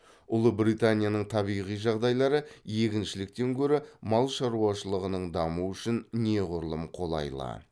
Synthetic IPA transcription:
ʊlˠəbɾijt̪anʲijanəɴt̪ʰɑβijʁijʒɑʁd̪ɑjlˠɑɾəje̞kʲɪnʃɪlɪk̚t̪e̞ŋkʲʰɵɾɪmɑlˠʃɑɾuɑʃəlˠəʁənəɴd̪ɑmuʏʃɪnne̞ʁʊɾlˠəmqʰo̞lˠɑ̰jlˠɑ̰

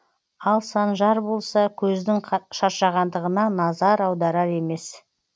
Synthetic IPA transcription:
ɑlˠsɑnʒɑɾbo̞lˠsɑkʲʰɵzd̪ɪŋʃɑɾʃɑʁɑnd̪əʁənɑnɑzɑɾɑwd̪ɑɾɑɾe̞me̞s

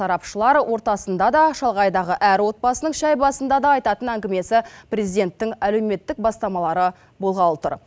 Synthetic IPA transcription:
ɑɾɑpʃəlˠɑɾwʔo̞ɾt̪ɑsənd̪ɑd̪ɑʃɑlˠʁɑjd̪ɑʁəʔæɾwo̞t̪̚bɑsənəɴʃæjbɑsənd̪ɑd̪ɑɑjt̪ɑt̪ənæŋɡʲɪme̞sɪpɾʲezijd̪e̞nt̪ːɪŋæle̞wme̞t̪ːɪk̚bɑst̪ɑmɑlˠɑɾə | bolˠʁɑlˠət̪ə̰ɾ

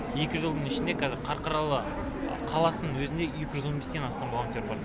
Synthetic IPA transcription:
je̞kʲɪʒəlˠd̪əɴɪʃɪnd̪e̞kʰɑzɪɾqʰɑɾqɑɾɑlˠə̰ | qʰɑlˠɑsənənwɵzɪnd̪e̞jekʲɪʒzwo̞nbest̪e̞nɑst̪ɑmvolˠont̪ʲe̞ɾbɑɾ

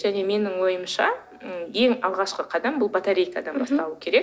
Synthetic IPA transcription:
ʒ̥æne̞me̞nɪŋwo̞jəmʃɑ̰ | je̞ŋɑlˠʁɑʃqəqʰɑd̪ɑmbʊlˠbat̪aɾʲejkɑd̪ɑnbɑst̪ɑlˠuəkʲʰe̞ɾe̞k̚

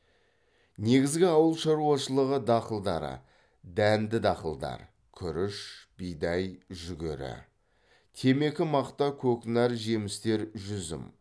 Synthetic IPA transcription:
ne̞ɡʲɪzɡʲɪɑwəlˠʃɑɾuɑʃəlˠəʁəd̪ɑqəlˠd̪ɑ̰ɾə̰ | d̪ænd̪ɪd̪ɑqəlˠd̪ɑ̰ɾ | kʲʰʏɾɪʃb̥ijd̪ɑjʒʏɡʲeɾɪ̰ | t̪ʲʰe̞me̞kʲɪmɑqt̪ɑkʲʰɵkʲnæɾʒe̞mɪst̪e̞ɾʒʏzɪ̰m

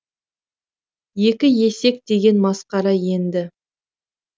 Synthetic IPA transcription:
je̞kʲɪje̞se̞k̚d̪e̞ɡʲe̞nmɑsqɑɾɑje̞nd̪ɪ

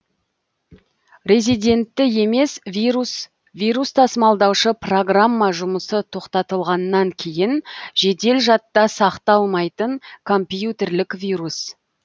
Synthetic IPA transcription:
ɾʲezijd̪e̞nt̪ːɪje̞me̞svs | vijɾust̪ʰɑsəmɑlˠd̪ɑwʃəpro̞ɡramːaʒʊməsət̪ʰo̞qt̪ɑt̪əlˠʁɑnːɑŋkʲʰe̞jɪnʒe̞d̪e̞lʒɑt̪ːɑsɑqt̪ɑlˠmɑjt̪əŋkʰo̞mpjjut̪e̞rlɪkvʲiɾus

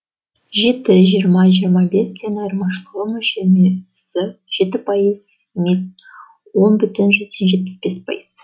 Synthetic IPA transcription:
ʒe̞t̪ɪʒijəɾmɑʒijəɾmɑbe̞sd̪e̞nɑjɾmɑʃqəlˠəmɵʃe̞mesɪʒ̥e̞t̪ɪpʰɑjəz | mek | wo̞nbʏt̪ɪnʒʏzd̪enʒe̞t̪̚pɪ̥sbe̞spʰɑ̰jiz̥

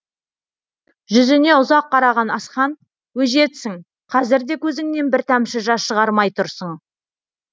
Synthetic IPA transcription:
ʒʏzɪne̞ʊzɑqːɑɾɑʁɑnɑsχɑn | wɵʒe̞t̪sɪŋ | qʰɑzɪɾd̪e̞kʲʰɵzɪŋne̞nbɪɾt̪ʰæmʃɪʒɑsʃəʁɑɾmɑjt̪ʰʊɾsəɴ

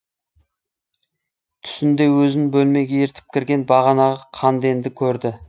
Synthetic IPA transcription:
t̪ʰʏ̥sɪnd̪e̞wɵzɪnbɵlme̞ɡʲeeɾt̪ʰɪ̥p̚kʲʰɪɾɡʲe̞nbɑʁɑnɑʁɑqʰɑnd̪e̞nd̪ɪkʲʰɵɾd̪ɪ

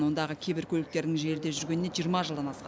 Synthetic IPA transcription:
nwo̞nd̪ɑʁəkʲʰebɪɾkʲʰɵlɪk̚t̪e̞ɾd̪ɪŋʒe̞ɾɪd̪e̞ʒʏɾɡʲe̞nːeʒijəɾmɑʒəlˠd̪ɑnɑsqɑ

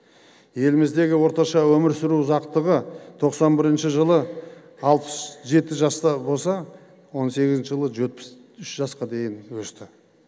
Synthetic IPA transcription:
je̞lɪmɪzd̪e̞ɡʲɪwo̞ɾt̪ɑʃɑwɵmɪɾsɪɾuzɑqt̪əʁət̪ʰo̞qsɑnbɪɾɪnʃɪʒəlˠə | ɑlˠpə̥sʒe̞t̪ɪʒɑst̪ɑbo̞lˠsɑ | wo̞nse̞ɡʲɪzɪnʃɪʒəlˠəʒe̞t̪̚pɪ̥s | ʏʃʒɑsqɑd̪e̞jɪnwɵst̪ɪ

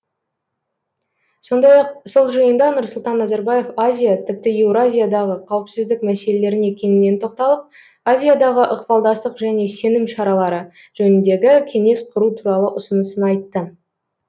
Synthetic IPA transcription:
so̞nd̪ɑjɑqso̞lˠʒəjənd̪ɑnʊɾsʊlˠt̪ɑnːɑzɑɾbaje̞fazʲijat̪ʰɪp̚t̪ɪewɾazʲijad̪ɑʁəqʰɑwəpsɪzd̪ɪk̚mæse̞le̞le̞ɾɪne̞kʲe̞nɪnːe̞nt̪ʰo̞q̚t̪ɑlˠəp̚ | azʲijad̪ɑʁəʔəqpɑlˠd̪ɑst̪əqʒæne̞se̞nɪmʃɑɾɑlˠɑɾə | ʒɵnɪnd̪e̞ɡʲɪkʲʰe̞ŋe̞sqʰʊɾut̪ʰuɾɑlˠəʔʊsənəsənɑjt̪ːə

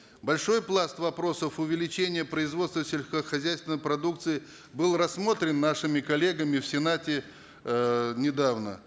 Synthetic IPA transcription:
bɐlʲʂo̞jplˠast̪vɐpɾo̞səfʊvʲɪlʲɪt͡ɕenʲɪjəpɾəɪzvo̞t̪st̪vəsʲelʲskəxɐzʲæjst̪vʲɪnəjpɾɐd̪uk̚t̪sɨɪ | bɨlˠrɐsːmo̞t̪ɾʲɪnːaʂɨmʲɪkɐlʲe̞ɡəmʲɪfsʲɪnatʲɪ | nʲɪd̪avnə̰

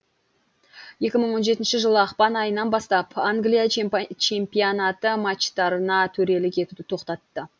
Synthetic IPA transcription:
je̞kʲɪməɴwo̞nʒe̞t̪ɪnʃɪʒəlˠəɑqpɑnɑjənɑnbɑst̪ɑpaŋɡlijat͡ʃʰe̞mpionɑt̪əmat͡ʃt̪ɑɾənɑt̪ʰɵɾe̞lɪkʲʰe̞t̪ud̪ɪt̪ʰo̞qt̪ɑt̪ːə

